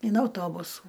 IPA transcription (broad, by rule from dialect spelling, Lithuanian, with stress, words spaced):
ɪn ɐʊˈtoːbʊsuː